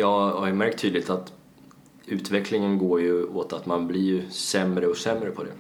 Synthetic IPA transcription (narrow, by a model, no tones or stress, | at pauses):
jɑːhajɵmæɾkt̪ʰːyːd̪lɪt̪at̪ | ʉ̟ːt̪vɛkʰlɪŋənɡoːɾjɵoːt̪at̪manblɪɾsɛmɾəɔsɛmɾəpʰɔd̪ɛ̰